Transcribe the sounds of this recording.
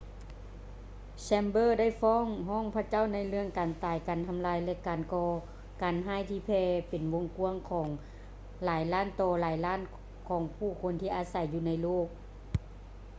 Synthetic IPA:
sɛː˧mbɤː˧˥˨da˥˨jfɔː˧˥˨ŋɦɔː˥˨ŋpʰa˧˥˩t͡ɕa˥˨wna˧˥˨jlɯ˧əŋkaː˨˩nt̪aː˨˩jkaː˨˩nt̪ʰa˧mlaː˧jlɛ˧kaː˨nkɔː˧ | kaː˨nɦaː˧˥˩jt̪ʰiː˧pʰɛː˧pe˨nwo˧˥˨ŋku˧əŋkʰɔː˨˩˦ŋ | laː˨˦jlaː˧˥˨nt̪ɔː˧˩laː˨˦jlaː˥˨n | kʰɔː˨˩˦ŋpʰuː˧˩kʰo˧˥nt̪ʰiː˧ʔaː˨˧˦sa˨˧˦jːuː˧˩na˧˥jloː˥˩k̚

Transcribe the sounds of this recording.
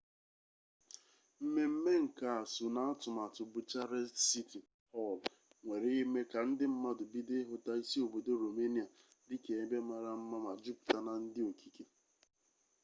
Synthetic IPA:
m̩˦me˦m̩˦me˦ŋ̩˨ka˨a˨sʊ˨na˦a˦tʊ˨ma˨tʊ˨bu˨t͡ʃa˦ɾɛ˦si˦ti˨ | hɔ˦l | ŋʷe˨ɾe˦i˦me˦ka˨n̩˦dɪ˦m̩˦ma˦dʊ˨bi˦dɪ˦ɦʊ˦ta˦i˦si˦o˨bo˨do˦ɾo˨me˦ni˨a˨ | dɪ˦ke˨e˦be˦ma˨ɾa˨m̩˦ma˦ma˨d͡ʒu˦pta˦na˨n̩˦dɪ˦o˨kʰi˦ke˦

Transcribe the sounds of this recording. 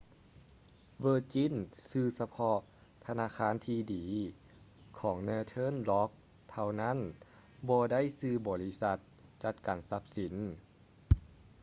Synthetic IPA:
ʋɤː˧t͡ɕi˧˥˨nsɯː˧sa˧pʰɔ˧ | t̪ʰa˧naː˧˥˨kʰaː˧˥˨nt̪ʰiː˧diː˨˦ | kʰɔː˩˦ŋnɯː˧˨t̪ʰɤ˧˥˨nlɔ˧˥k̚ | t̪ʰa˧wna˦˥˨n | bɔː˧da˥˨jsɯː˧bɔː˨˩li˦˧sa˧t̪̚t͡ɕa˧t̪̚kaː˨˩nsa˧˦˥p̚si˨˩˦n

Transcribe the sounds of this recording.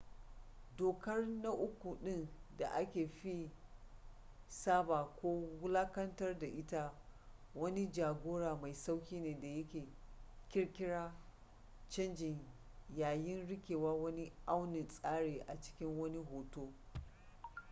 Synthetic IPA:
doː˨kɐ˦rna˦ʔʊ˦kʷu˨ɗɪ˦nda˨ʔa˦kʲeː˨ɸi˦ | saː˦baː˨kʷoː˦wʊ˦laː˦kɐ˦ntɐ˦rda˨ʔɪ˦ta˦wɐ˦ni˦d͡ʒaː˨ɡʷoː˦ɽaː˨ma˨jsa˦wkʲiː˦neː˨da˨jɐ˦kʲeː˨kʲɪ˦ɽkʲɪ˦ɽaː˦ | t͡ʃɐ˦nd͡ʒɪ˨ɲ | jaː˨jɪ˦nɽɪ˦kʲeː˨waː˦wɐ˦ni˦ʔa˦wnɪ˨nsʼaː˦ɽeː˨ʔa˨t͡ʃɪ̥˦kʲɪ˦ŋwɐ˦ni˦ɦoː˨toː˦

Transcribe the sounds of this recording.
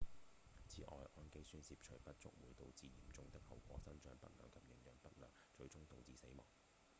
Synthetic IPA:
t͡sʰiː˨ʔɔː˨jʔɔː˧nke˥jsyː˥nsiː˧p̚t͡ʃʰɵ˨˩ɥpɐ˥t̚t͡sʊ̰˥k̚wuː˨˥jt̪o˨˧wt͡siː˨˧jiː˨˩mt͡sʊ˧ŋt̪ɪ˥k̚hɐ̰˨˩wkʷɔ̰ː˨˥sɐ˥nt͡ʃœː˧ŋpɐ̰˥t̚lœ̰ː˨˩ŋkʰɐ˨p̚jɪ˨˩ŋjœː˨˩ŋpɐ˥t̚lœː˨ŋ | t͡ʃɵ˧ɥt͡sʊ˥ŋt̪ʊ˨ŋt͡siː˨˧se˨˥jmɔ̰ː˨ŋ

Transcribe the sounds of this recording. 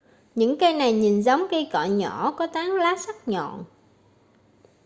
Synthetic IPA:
ɲɨ̰˧˥ŋkə˧jna˨˩jɲi˨˩nzə˨˦wŋ͡mkə˧jkɔ̰˧˨ɲɔ˧˩˦kɔ˨˦t̪aː˨˦ŋlaː˨˦sa˦˥k̚ɲɔ̰˧˨n

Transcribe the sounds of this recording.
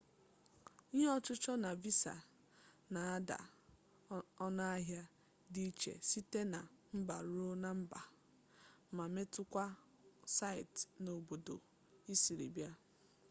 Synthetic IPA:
i˦ɲe˦ɔ˦t͡ʃʊ˦t͡ʃɔ˦na˨vi˦sa̰˨ | na˨a˦da̰˨ | ɔ˦na˦a˦ɦja˦ | di˦t͡ʃḛ˨si˦te˦na˨m̩˦ba˨ɾo˦na˨m̩˦ba˨ | ma˨me˦tʊ˦kʷa˦ | sa˦˨ɪ˨tno˨bo˨do̰˨ | i˦si˨ɾḭ˨bja˦

